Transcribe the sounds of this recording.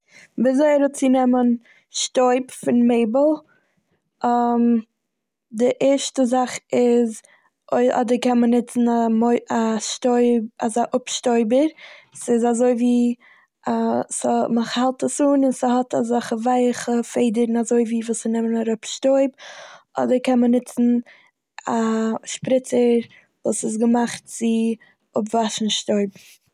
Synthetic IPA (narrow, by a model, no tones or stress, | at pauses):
bɪzoɪɾət͡sɪnɛmən | ʃtoɪpfɪnmeɪbəlˠ | am | dɪʔɛːɾʃtəzaχɪz | oɪʔɔ̰dəɾkɛnmənɪt͡sn̩amoaʃtoɪazaʔʊpʃtoɪbəɾsɪzazoɪviː | asməχhɛlˠtəsuːnɪnsəhɔtazaχəvaɪχəfeɪdəɾn̩azoɪviːvuːsənɛmənaɾʊpʃtoɪbɔ̰dəɾkɛnmənɪt͡sn̩ | aʃpɾɪt͡səɾ | vuːsɪs̬ɡəmaχt̚t͡sɪ | ʊpvaʃn̩ʃtoɪbm̩